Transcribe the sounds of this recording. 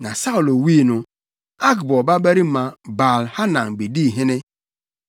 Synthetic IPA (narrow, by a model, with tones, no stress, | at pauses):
na˨sa˦ʊ˨lo˨wi˦˨nʊ˨ | a˦kbɔ˨ba˦be˦ɾi˦ma˨ba˨lha˦na˨ŋ̩˨bi˨di˦˨ɦe˦ne˦